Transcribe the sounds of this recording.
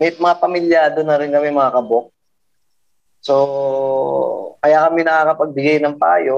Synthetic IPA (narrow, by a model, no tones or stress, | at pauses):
mɛjmɐŋapɐmɪljaːd̪onɐɾɪnkɐmɛmɐŋɐkɐbok̚ | so | kɐjaːkɐmɛnɐkakɐpɐɡ̚bɪɡajnɐŋpa̰ːjo